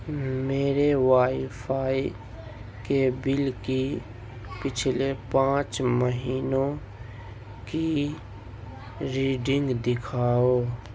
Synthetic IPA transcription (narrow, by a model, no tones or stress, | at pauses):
meːɾewaːifʰaːi | kebɪlki | pɪt͡ʃʰlepãːt͡ʃməɦiːnõ | ki | ɾiːɖɪ̃ŋɡd̪ɪkʰaːoː